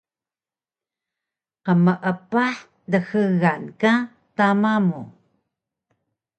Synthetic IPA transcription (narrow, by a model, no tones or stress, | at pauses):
qəməʔəpaħ | dəxəɣanka | tamamu